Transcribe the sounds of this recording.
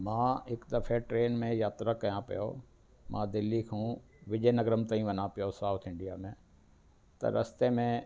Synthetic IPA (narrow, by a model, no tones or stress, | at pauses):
mãːɪkd̪ɐfʰeʈɾeːnmẽjaːt̪ɾakɐjãpḭjo̰ | mʔã̰ːd̪ɪlːikʰũː | ʋɪʄeːnɐɡɾəmt̪aːĩʋɐnãpijosaːut̪ʰɪ̃ɳɖijamẽ | t̪ɐ̰ɾɐst̪emẽ